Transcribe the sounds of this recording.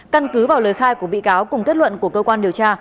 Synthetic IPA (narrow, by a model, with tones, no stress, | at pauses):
ka˧nkɨ˨˦vaː˨˩wləː˨˩jxaː˧jku˧˩əɓḭ˧˨kaː˨˦wkʊ˨˩ŋ͡mk̪i˦˥t̚wə̰˧˨nku˧˩əkəː˧kwaː˧nɗi˨˩əwt͡ɕaː˧